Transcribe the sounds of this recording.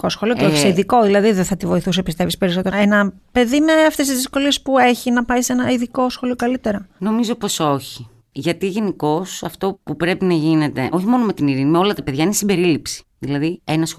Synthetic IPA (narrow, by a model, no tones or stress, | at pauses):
kosxolioceoçiseiðiko̞ðilɐðiðeθɐt̪ivo̞iθus̬epist̪e̞vispe̞ɾiso̞t̪eenɐ | pe̞ðime̞ɐft̪e̞st̪izðisko̞lie̞spue̞çinɐpɐise̞nɐiðiko̞sxo̞liokɐlit̪e̞ɾɐno̞mizo̞poso̞çi | ʝɐt̪iʝe̞niko̞sɐft̪o̞pupɾe̞pinɐʝine̞t̪e̞ʔo̞çimo̞no̞me̞t̪iniɾinimeo̞lɐt̪ɐpe̞ðʝɐinesimbe̞ɾilipsi̥ðilɐðienɐs